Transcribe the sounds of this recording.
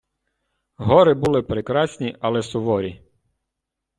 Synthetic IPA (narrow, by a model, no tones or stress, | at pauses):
ɦɔɾɪbulˠɪpɾekɾɑsʲnʲiʔɐlˠɛsʊʋɔɾʲi